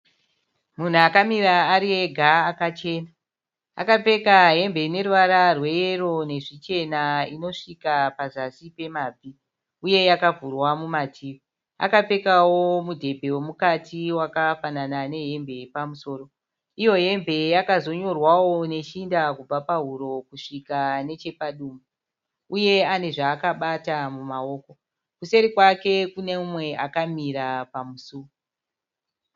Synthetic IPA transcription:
mun̤uakamiɾaːɾieɡʱaːkat͡ʃe̞ːna | a̰kap͡fe̞kaɦe̞mbe̞ne̞ruʋaɾarwe̞jero̞ne̞ʐit͡ʃe̞naino̞ʂikapazasipe̞maːvʱi | uje̞jakavurwamumatʰiː | a̰kap͡fe̞kawo̞mudʱe̞bʱe̞womukatiwakafananane̞ɦe̞mbe̞pamuso̞ːro̞ | ijo̞ɦe̞mbʱe̞jakazo̞ɲo̞rwawo̞ne̞t͡ʃindakub͡vapaɦuɾo̞kuʂikane̞t͡ʃe̞paɗumu | uje̞ane̞ʐaːkaɓatamumao̞ːko̞ | kuse̞ɾikwake̞kune̞mumwe̞akamiɾapamusu

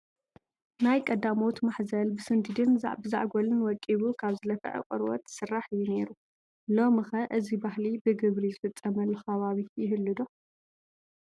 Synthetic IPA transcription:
najkʼɐd̪amot̪maħzɐlbɨsɨnd̪ɨd̪ɨnza̰ʕbɨza̰ʕɡʷolɨnwɔkʼːiβukʰaβzɨlɐfɐ̰ʕɨ̰kʼɨ̰ɾwɔ̰t̪sɨrːaħɨjːune̞ɾu | lo̞mɨxɐʔɨzibahlibɨɡɨβɾizɨfɨt͡sʼːɐmɐlːoxɐβaβijɪɦɨlːɨd̪o

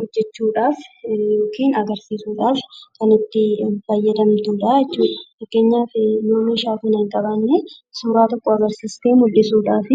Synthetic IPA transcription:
hɔd͡ʒːɛt͡ʃːuːᶑaːfjoːkʰiːnɐɡɐɾsiːsuːᶑaːfkɐnɪt̪ːɪfɐjːɐd̪ɐmt̪uːᶑaːɛt͡ʃːuːᶑɐ̥fɐkːe̞ːɲːaːfɪnoːmɪɪʃaːkʊnɪŋkʼɐbɐnːe | suːɾaːt̪ɔkːoɐɡɐɾsiːst̪eːmʊlːɪsuːᶑaːfɪ

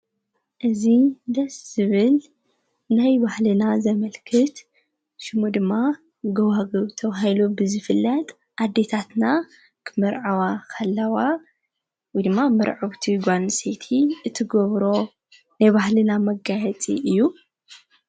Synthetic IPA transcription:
ʔɨzid̪ɐsz̥ɨβɨl | najbahlɨnazɐmɐlkʰɨt̪ | ʃɨmud̪ɨmːa | ɡɐwaɡɐβt̪ʰɐβaɦilubɨzɨfɨlːɐt̪ʼ | ʔad̪ːe̞t̪ʰat̪na | kʰɨmɨɾʕawakʰɐlːɐwa | wɔjd̪ɨmːamɨɾʕɨβt̪ʰiɡʷansʼet̪ʰiɨt̪ʰːɨɡɔβɾo̞ | najβahlɨnamɐɡajɛt͡sʼḭʔɨjːu

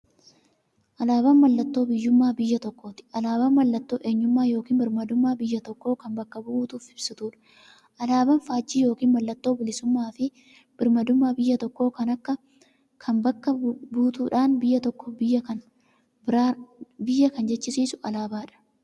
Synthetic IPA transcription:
ʔɐlaːbɐnmɐlːɐt̪ːo̞ːbɪjːʊmːaːbɪjːɐt̪ɔkːo̞ːt̪ɪ̥ʔɐlaːbɐnmɐlːɐt̪ːo̞ːʔe̞ːɲːʊmːaːjo̞ːkiːnbɪɾmɐd̪ʊmːaːbɪjːɐt̪ɔkːo̞ːkɐmbɐkːɐbʊuːt̪uːfɪbsɪt̪uːᶑɐ̥ | ʔɐlaːbɐnfaːd͡ʒːiːjo̞ːkiːnmɐlːɐt̪ːo̞ːbɪlɪsʊmːaːfɪ | b̥ɪɾmɐd̪ʊmːaːbɪjːɐt̪ɔkːo̞ːkɐnɐkːɐ | kʰɐmbɐkːɐbuːt̪uːᶑaːnbɪjːɐt̪ɔkːobɪjːɐkɐn | bɪɾaːbɪjːɐkɐnd͡ʒɛt͡ʃːɪsiːsʊʔɐlaːbaːᶑɐ̥

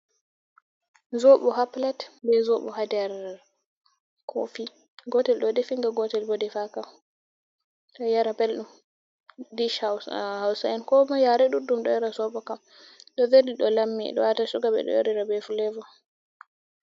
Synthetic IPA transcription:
zoɓɔɦaplatbɛzoɓɔ̰hadɛɾ | kʰo̰fi | ɡɔtɛlɗɔdɛfiŋɡaɡɔtɛlbɔdɛfakam | ɗɔjaɾabɛlɗum | diʃhawsaɛnkɔmɔjaɾɛɗuɗumɗɔjaɾazɔɓɔkam | ɗɔveliɗɔlamːḭɗɔ̰watasuɡabɛ̰ɗɔ̰jɔɾiɾabɛfulɛvɔ

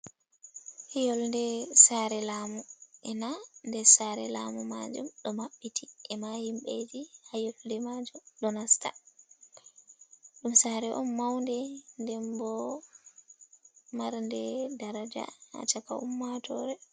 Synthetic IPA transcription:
hijɔlndɛsaɾɛlaːmuʔɛnandɛsaːɾɛlamuma̰d͡ʒumɗɔmaɓːitiʔɛmahimɓed͡ʒihajofdɛmad͡ʒɔɗɔnasta̰ | ɗumsaɾɛʔɔmːawndɛndɛmbɔ | maɾndɛdaɾad͡ʒa̰ha̰t͡ʃaka̰ṵmːatʰɔɾɛ

